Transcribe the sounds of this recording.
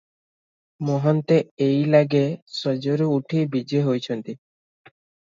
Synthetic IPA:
mɔɦɔnt̪eejlaɡesɔd͡ʒoɾuuʈʰibid͡ʒeɦojt͡ʃʰɔnt̪i

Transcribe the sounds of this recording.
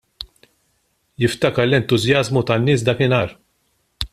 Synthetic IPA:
jɪft̪ɐkɐɾlɛnt̪ʊzjɐzmut̪ɐnːɪːs̬d̪ɐːkɪnɐːɾ

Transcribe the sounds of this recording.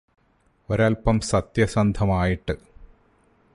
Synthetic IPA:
oɾaːlpɐmsɐt̪jɐsɐnd̪ʱɐmaːjiʈːɨ

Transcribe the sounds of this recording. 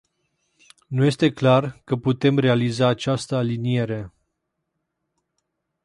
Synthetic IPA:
nuje̞st̪e̞klarkəput̪e̞mre̞alizaːt͡ʃast̪əalinie̞ɾe̞

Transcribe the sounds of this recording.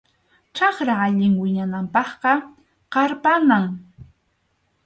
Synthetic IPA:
t͡ʃɑχɾaaʎɪŋwɪɲanampɑχqɑ | qɑɾpanaŋ

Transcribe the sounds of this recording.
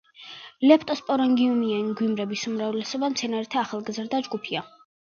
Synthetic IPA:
lɛpʰt̪ʼɔspʼɔɾɔŋɡiumiɛnɡwimɾɛbisumɾavlɛsɔbamt̪sʰɛnaɾit̪ʰaːχalˠɡzɾd̪ad͡ʒɡupʰia

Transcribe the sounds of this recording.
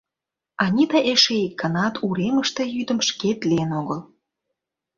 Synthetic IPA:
ɑnʲid̪ɑʔeʃeikːənɑt̪ʰuɾeməʃt̪ejyd̪ə̆mʃket̪linoɣəl

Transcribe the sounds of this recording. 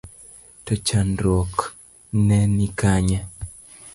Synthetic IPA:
tɔt͡ʃandɔk | nɛnikaɲɛ

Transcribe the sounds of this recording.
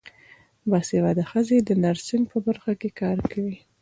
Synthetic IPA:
bɑsewad̪əxəzed̪ənaɾsinpəbaɾxakekɑɾkʰawi

